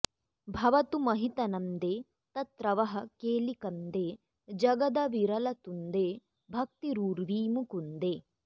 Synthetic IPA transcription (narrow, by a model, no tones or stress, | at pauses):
bʱɐʋɐt̪umɐɦit̪ɐnɐnd̪eː | t̪ɐt̪ɾɐʋɐɦɐ̆keːlikɐnd̪eː | d͡ʒɐɡɐd̪ɐʋiɾɐlɐt̪und̪eː | bʱɐk̚t̪iɾuːɾʋiːmukund̪eː